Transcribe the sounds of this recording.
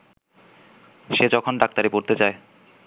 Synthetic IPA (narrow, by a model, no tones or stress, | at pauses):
ʃed͡ʑɔkʰonɖak̚t̪aɾepoɾt̪et͡ɕae